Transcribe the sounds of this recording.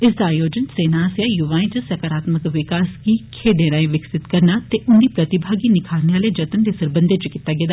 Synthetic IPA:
ɪsd̪aːjoːd͡ʒənseːnasjaːjʊʋaːĩːt͡ʃəsɛkaɾaːt̪məkʋɪkaːskiːkʰeːɖẽːɾaːĩːʋɪksɪt̪kəɾnaːt̪eːʔʊnd̪iːpɾət̪ɪbʱaːɡiːnɪkʰaːlneaːleːd͡ʒət̪ənd̪eːsəɾbənd̪eːt͡ʃkɪt̪ːaːɡeːd̪aː

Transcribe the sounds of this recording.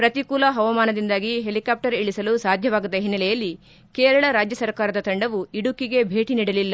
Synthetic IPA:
pɾɐt̪ikuːlɐɦɐʋɐmaːnɐd̪ind̪aːɡiɦelikaːp̚ʈɐɾiɭisɐlusaːd̪ʱjɐʋaːɡɐd̪ːɐɦinːɐlɛjɐlːi | keːɾɐɭɐɾaːd͡ʒjɐsɐɾkaːɾɐd̪ɐt̪ɐɳɖɐʋuiɽukiɡe̞bʱe̞ːʈiniːɽɐlilːɐ

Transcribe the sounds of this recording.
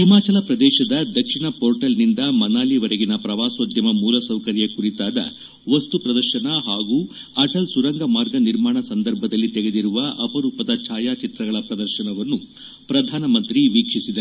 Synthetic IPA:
ɦimaːt͡ʃɐlɐpɾɐd̪ɛːʃɐd̪ɐd̪ɐkʂiɳɐpoːɾʈɐlnind̪ɐmɐnaːliʋɐɾɐɡinɐpɾɐʋaːsod̪ʱjɐmɐmuːlɐsɐwkɐɾjɐkuɾit̪aːd̪ɐ̰ | ʋɐst̪upɾɐd̪ɐɾʃɐnɐɦaːɡuː | ɐʈɐlsuɾɐŋɡɐmaːɾɡɐniɾmaːɳɐsɐnd̪ɐɾbʱɐd̪ɐlːit̪ɛɡed̪iɾuʋɐɐpɐɾuːpɐd̪ɐt͡ʃʰaːjaːt͡ʃit̪ɾɐɡɐɭɐpɾɐd̪ɐɾʃɐnɐʋɐnːu | pɾɐd̪ʱaːnɐmɐnt̪ɾiʋiːkʂisid̪e

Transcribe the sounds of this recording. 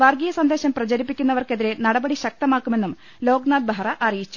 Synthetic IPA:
ʋɐrɡijɐsɐnd̪e̞ːɕɐmprɐt͡ɕɐɾipːikʲːunːɐʋɐrke̞ðiɾe̞nɐɽɐbɐɽiɕɐk̚t̪ɐmaːkːume̞nːum | lo̞ːɡnaːd̪̚bʱarɐʔɐrijit͡ɕːu̥

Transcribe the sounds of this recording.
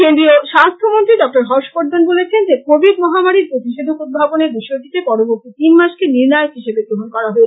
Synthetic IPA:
kend̪ɾioʃast̪ʰomont̪ɾiɖɔk̚ʈoɾɦɔʃpoɾd̪onbolet͡ɕʰend͡ʑekobiɾmɔɦamaɾiɾpɾot̪iʃed̪ʱokud̪̚bʱaboneɾbiʃoʈ̪it̪epɔɾoboɾt̪it̪inmaʃkeniɾnajoɦiʃebed̪ɾoɦonkɔɾaɦoe

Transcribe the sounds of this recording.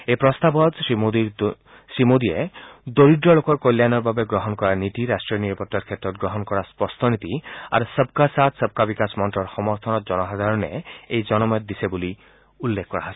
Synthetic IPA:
epɾɔst̪abɔt̪mod̪iɾ | sɹimod̪ied̪oɾidɾɔlokɔɾkojlːjanɔɾbabeɡɾɔɦɔnkɔɾanit̪iɾasʈɾiɔniɾɔpɔt̪ːaɾkʰet̪ɾɔt̪̚ɡɾɔɦɔnkɔɾaspɔst̪ʰɔnit̪ia̰ɾusəb̚kasat̪səb̚kabikasmɔntɾɔɾxɔmɔɾt̪ʰɔnɔt̪d͡ʒɔnɔɦazaɾɔneejd͡ʒɔnɔmɔjɔt̪̚d̪isebuli | ulːekʰkɔɾaɦasi̥

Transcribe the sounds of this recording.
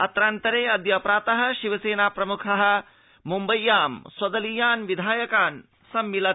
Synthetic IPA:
ɐt̪ɾaːnt̪ɐɾeːɐd̪jɐːpɾaːt̪ɐɦɐ̆ʃiʋɐseːnaːpɾɐmukʰɐɦɐ̆ | mumbɐjːaːmswɐd̪ɐlijaːnʋid̪ʱaːjɐkaːn | sɐmːilɐ

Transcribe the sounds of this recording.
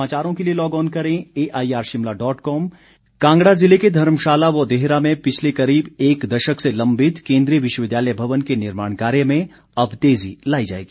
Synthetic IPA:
aːt͡ʃaːɾõkelielɔːɡɔːnkɐɾẽeːʔaːiaːɾʃɪmlaɖɔːʈkɔːm | kãːŋɡɽazɪleked̪ʱɐɾmʃaːlaʋod̪eɦɾamẽpɪt͡ʃʰlekɐɾiːbeːkd̪ɐʃəkselɐ̃mbʱɪt̪kẽːnd̪ɾijəʋɪʃwəʋɪd̪jaːləjbʱɐʋənkenɪɾmaːɳkaːɾjəmẽ | ɐbt̪eːzilaːid͡ʒa̰ːḛːɡiː

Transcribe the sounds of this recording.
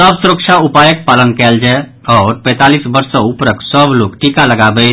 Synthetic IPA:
əbsuɾəkt͡ʃʰaupajəkpalənkɛld͡ʒaɪ | ɔːɾpɛ̃t̪alisbəɾsə̃upɾəksəblokʈikaləɡabɛ

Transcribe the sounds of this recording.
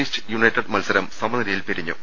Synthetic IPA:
iːsʈɨ̥junɐjʈːɐɖmɐlsɐɾɐmsɐmɐnd̪ɾijilpiɾiɲːṵ

